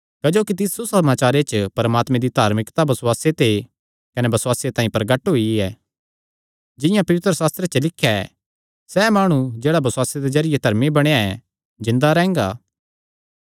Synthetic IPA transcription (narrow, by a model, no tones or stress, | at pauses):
kɐd͡ʒoːkit̪̬ɪsusɐmaːt͡ʃaːɾet͡ʃəpɐɾmaːt̪mẽd̪id̪ʱaːɾmɪkt̪abɐswaːset̪e | kɐnebɐswaːsjet̪aːĩpɾɐɡəʈːɦoiɛː | d͡ʒɪ̃jãpɐʋɪt̪ɾəsaːst̪ɾet͡ʃəlɪkʰːjaɛ | sɛmaːɽ̃ud͡ʒeːɽabɐswaːsed̪ezɐɾɪjed̪ʱɐɾmibɐɽ̃aɛ | d͡ʒɪ̃nd̪aɾɛ̃ːŋɡaː